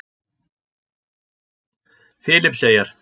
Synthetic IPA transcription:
fɪːlɪpseːjaɾ̥

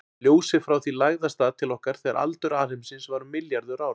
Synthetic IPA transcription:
ljoːwsɪfɾawθilaɣðast̪aːðt̪ʰɪlɔhkaɾ̥θɛɣa̰ɾʔa̰lt̪ʏɾaɾɪmsɪnsvaɾʏmɪljaɾðʏɾaːw

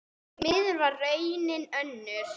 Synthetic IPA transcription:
mɪðʏɾvarːœːjnɪnœnːʏɾ

